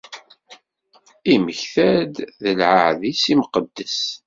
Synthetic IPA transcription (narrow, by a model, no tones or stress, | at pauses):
iməçθæd̪ðəlʕaʕðisimqəd̪ːəs